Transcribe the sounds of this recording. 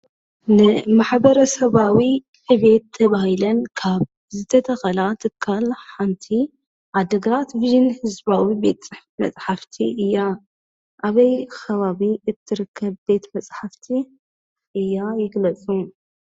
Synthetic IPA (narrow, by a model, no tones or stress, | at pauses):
nɨmaħbɐɾɐsɐβawi | ħɨβet̪ʰːɐβahilɐnkʰaβ | zɨt̪ʰɐt̪ʰɐxɐlat̪ʰɨkʰːalħant̪ʰi | ʕad̪ɐɡɐɾat̪viʒɨnhɨzbawibe̞t̪t͡sʼɨħfimɐ̰t͡sʼħaft̪ʰiʔɨjːa | ʔaβɐjxɐβaβiʔɨt̪ʰːɨɾɨkʰːɐbbe̞t̪mɐt͡sʼħaft̪ʰi | ʔɨjːajɪɡlɐt͡sʼu